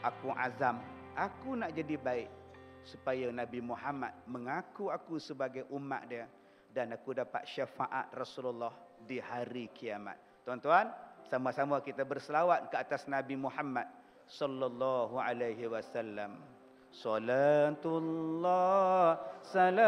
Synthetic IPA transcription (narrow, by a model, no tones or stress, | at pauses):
ʔakuʔa̰zam | akunaʔd͡ʒadibaɪʔ | supajanãbimuɦama̰t̪̚məŋakuakusəbaɡajʔuma̰ʔ̪̚diə | danakudapa̰t̪̚ʃafa̰ʔa̰t̪̚rɔsululːɔhdihaɾikiama̰t̪̚ːuant̪uansamasamakit̪abərsəlawat̪̚kəat̪asnabimuħamːat̪̚ | sɔlːalːɔɦua̰lajɦiwasalːam | solat̪ulːɔ | sala